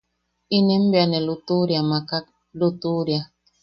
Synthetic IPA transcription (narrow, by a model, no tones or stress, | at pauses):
inem̩bjanelutuɾjamakak̚ | lutuɾja